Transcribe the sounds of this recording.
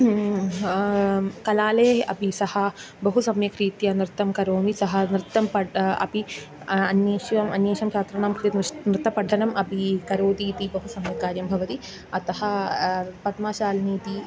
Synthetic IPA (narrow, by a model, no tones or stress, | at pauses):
kɐlaːleːɐ̰pisɐhɐ | bɐɦusɐmjɐkɾiːt̪jɐnɾɪt̪ːɐmkɐɾoːnisɐɦɐnɾɪt̪ːɐmpɐɐ̰pi | ɐnjeːʃʋɐmɐ̰njeːʃɐmt͡ʃaːt̪ɾɐɳaːmkɾt̪et̪nɾɪt̪ːɐpɐɖʱːɐnɐmʔɐpikɐɾoːd̪iːt̪ibɐɦusɐmjɐkaːɾjɐmbʱɐʋɐt̪i | ɐt̪ɐhɐ̆ | pɐt̪maːʃaːlneːt̪i